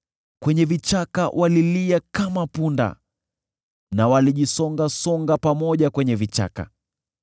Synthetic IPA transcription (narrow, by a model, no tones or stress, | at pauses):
kwɛɲɛvit͡ʃakawʔaliliakamapunda̰ | nawaliʄisɔŋɡasɔŋɡapamɔʄakwɛɲɛvit͡ʃa̰ka̰